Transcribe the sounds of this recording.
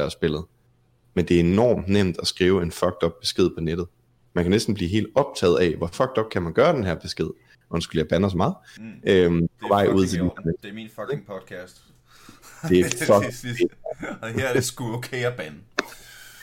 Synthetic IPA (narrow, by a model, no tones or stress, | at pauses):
æsb̥e̝l̰ð̩ˠ | mend̥e̝æɐenɒ̰ːmnem̰d̥æsɡ̥ʁiːʊe̝nfɒ̽ɡ̥̚d̥ɒ̽b̥̚b̥e̝sɡ̥e̝ð̞̰ˠpʰɒ̽ned̥ð̩ˠ | mænkʰænesd̥n̩b̥liːɦe̝̰ːld̥ɒ̽b̥̚t͡sʰɛ̰ːðˠɛʋɒfɒ̽ɡ̥̚d̥ɒ̽b̥̚kʰæmænɡ̥ɶːɐd̥enɦæɐ̰b̥e̝sɡ̥e̝ð̰ˠ | ʔɒsɡ̥uljæb̥ænɒsmɑ̈ːð̩ˠʔømpʰɒ̽ʋɑ̈ɪ̰ʔuð̞̰ˠt͡sʰeld̥isɐnedeminfŋpʰɒd̥kʰæsd̥ | d̥e̝fɒk | ehæɐdesɡ̥uokʰeæb̥æn